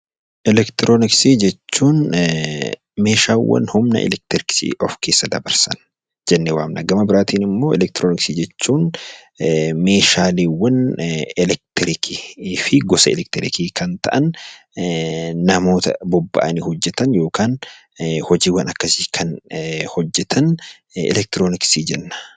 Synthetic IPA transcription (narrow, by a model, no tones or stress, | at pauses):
ʔɛlɛkt̪ɪɾʔoːnɪksid͡ʒɛt͡ʃːuːn | me̞ːʃaːwːɐ̰nhʊmnɐ̰ʔɛ̰lɛk̚t̪ɪɾɪksḭʔɔfke̞ːsːɐd̪ɐbɐɾsɐn | d͡ʒɛnːewaːmnɐɡɐmɐbɪɾaːt̪iːnɪmːo̞ːɛ̰lɛk̚t̪ɾoːnɪksid͡ʒɛt͡ʃːuːn | me̞ːʃaːliːwːɐnɛlɛk̚t̪ɾɪkʰifɪɡɔsɐɛlɛk̚t̪ɪɾɪ̰kiːkʰɐnt̪ɐ̰ʔɐn | ɐmo̞ːt̪ɐ̰bɔbːɐ̰ʔɐnɪhɔd͡ʒːɛt̪ɐnjo̞ːkaːn | hɔd͡ʒiːwɐnɐkːɐsɪ̥kʰɐnhɔd͡ʒːɛt̪ʰɐn | ɛ̰lɛk̚t̪ɾoːnɪksid͡ʒɛnːɐ̥